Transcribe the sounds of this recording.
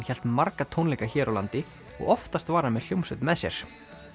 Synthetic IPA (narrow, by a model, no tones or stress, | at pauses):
nçɛl̥t̪maɾkat̪ʰownlɛːkaçɛːɾawla̰nt̪ɪ | ɔ̰ɣɔft̪ast̪vaːɾamɛðljowmsʏt̪mɛðsjɛɾ̥